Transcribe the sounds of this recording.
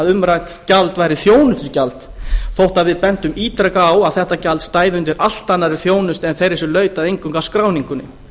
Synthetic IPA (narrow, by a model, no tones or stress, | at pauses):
aðʏmɾajt̪calt̪vajɾɪθjoːwnʏst̪ʏcalt̪ | θowht̪aðvɪðpɛnt̪ʏmiːt̪ɾakawaðθɛht̪acalt̪st̪aːjðʏnt̪ɪɾʔal̥t̪anːaɾɛ̥θjoːwnʏst̪ɛnθejɾɪsʏlœːɥt̪aðejŋkʏŋkaskɾaːwniŋkʏnʏ̰